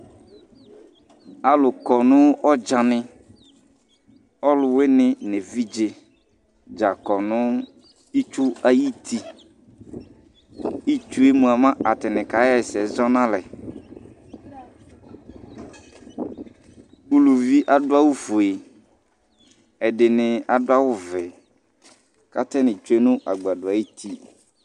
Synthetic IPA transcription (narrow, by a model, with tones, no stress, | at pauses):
a˨lʊ˨kɔ˨nʊ̃˦ɔ˦d͡ʒa˨nɪ̃˦ | ɔ˦lʊ˨we˦nɪ̃˦ne˨vi˦d͡ʒe˨ | d͡ʒa˨kɔ˨nʊ̃˦ | i˦t͡ʃu˦a˦ji˦tʰi˦ | i˦t͡ʃu˦e˦mũ˨a˨mã˦a˨tɪ˨nɪ̃˨ka˨˦ɛ˨sɛ˨zɔ˦nã˦lɛ˨ | u˦lu˨vi˦ʔa˦dʊ˦a˦wu˦fu˨e˨ | ɛ˨dɪ˨nɪ̃˨a˨dʊ˦a˦wʊ˦vɛ˨ | ka˦t̪ɛ˦nɪ̃˨t͡ʃu˦e˦nʊ̃˦ʔa˨ɡ͡ba˨dʊ˨a˨ji˦t̪ʰi˦